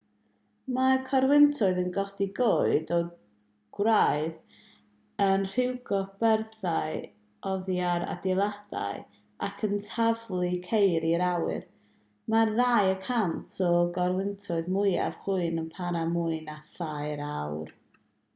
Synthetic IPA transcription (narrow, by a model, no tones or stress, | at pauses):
makʰɔɾwɪntʰʊɨðənɡɔdiɡoːɨdɔ | ɡ̥wraɨð | ənr̥ɪwɡɔb̥ɛrθaɨ | ɔðjaɾa̰dɪlˠad̥a̰j | a̰kʰəntʰavlˠikʰejɾiɾawɨ̰r | marðaːjəkʰantʰɔɡɔrwɪntʰʊɨðmʊja̰v̥χuɨnənpʰaɾamuɨnaθajɾawr